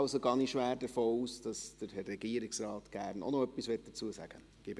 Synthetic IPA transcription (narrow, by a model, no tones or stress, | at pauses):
ʊsoɡɑːniʃʋæːɾdəfoːuːsd̥ɑsd̥əɾhɛrɛɡ̥iəɾɪksrɑːtɡ̥æːɾno̰noœpːisʋɛt̚d̥ət͡suəsæ̰ɡ̥ə | ɡ̥ɪb